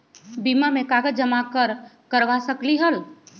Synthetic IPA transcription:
bimamekaɡəd͡ʒəmakəɾkəɾʋasəkliɦəl

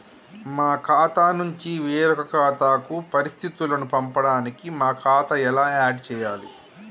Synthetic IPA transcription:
maːkʰaːt̪aːnuɲt͡ʃiʋeːɾɔkɐkʰaːt̪aːkupɐɾist̪ʰit̪ulɐnupɐmpɐɽaːnikimaːkʰaːt̪ɐɛlaːaːɖt͡ʃɛːjaːlḭ

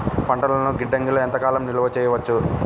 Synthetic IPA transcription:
pɐɳʈɐlɐnuɡiɖːɐŋɡiloent̪ɐkaːlɐmniluʋɐt͡ʃɛːjɐʋɐt͡ʃːu

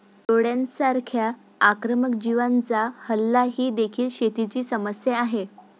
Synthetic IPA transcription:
t̪oɽjãnsaɾkʰjaː | kɾəməkd͡ʑiʋant͡sahəlːaɦiːd̪ekʰiːlɕet̪it͡ɕiːsəməsjeaɦe

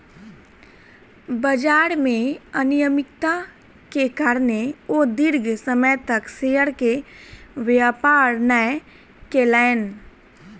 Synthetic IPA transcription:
bəd͡ʒaːɾmẽənijəmɪkt̪a | kekaːɾneod̪ɪɾɡsəmət̪əkseːəɾke | ʋjaːpaːɾnəɛ | keːlɛːn

